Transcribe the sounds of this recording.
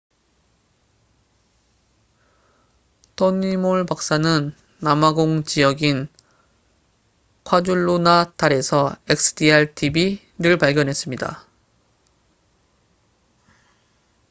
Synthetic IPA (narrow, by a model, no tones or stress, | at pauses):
tʰoɲimoɭpak̚s͈anɯnː | amaɡoŋt͡ɕijʌɡin | kʰwad͡ʑuɭːonataɾe̞sʰʌek̚sʰɯ̥diaɭtʰibi | ɾɯɭpaɭɡjʌnɦe̞s͈ɯmɲida̰